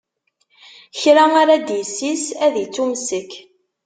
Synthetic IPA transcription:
çɾaaɾad̪jisːisæðjit͡sːumsək

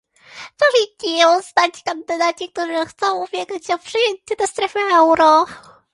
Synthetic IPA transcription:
t̪ɔʐit̪ʲiɔst̪at͡ɕkand̪ɘd̪at͡ɕik̚t̪uʐɘxt̪sɔ̃w̃ubʲjɛɡat͡ɕːɔpʂɘjɛɲt̪ɛd̪ast̪ɾɛfɛɛwɾɔ

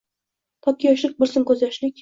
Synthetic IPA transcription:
t̪ʰɒkʲʰːijɒʃɪk̚ʲbɪɾsɪmkʲʰɵzjɒʃlɪkʲ

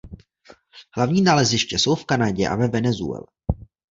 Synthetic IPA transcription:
hlavɲiːnaːlɛzɪʃcɛso̞wfkanaɟɛʔa̰vɛvɛnɛzṵɛ̰lɛ

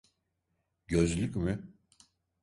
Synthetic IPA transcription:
ɟøzlʲycʲmɪ

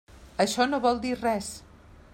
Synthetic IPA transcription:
əʃɔnoβɔlˠd̪irɛs

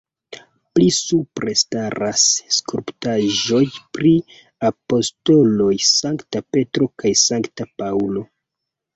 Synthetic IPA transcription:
plisupɾestaɾasːkuɾptaʒo̞jpɾi | apo̞sto̞lo̞jsaŋktape̞tɾo̞kajsaŋktapawlo̞

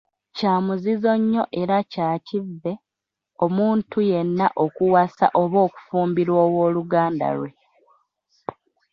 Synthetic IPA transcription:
caːmuzizo̞ɲːo̞ʔe̞ɾacaːcivːe̞ | o̞muːntʰujenːaʔo̞kuwasa̰ʔo̞βo̞ːku̥fuːmbiɾwo̞ːwo̞ːluɡaːnda̰ɾwe̞

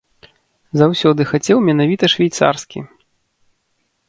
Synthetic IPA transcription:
zawsʲɔd̪ɨxat͡sʲɛwmʲɛnavʲit̪ɐʂvʲɛjt̪sa̰rskʲḭ

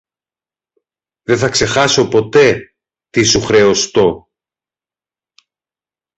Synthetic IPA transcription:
ðeθɐkse̞xɐso̞po̞t̪e̞ | t̪isuxɾe̞ost̪o̞

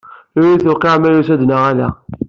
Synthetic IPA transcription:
ʊɾiθʊqeʕmæjusæd̪naʁælæ̰

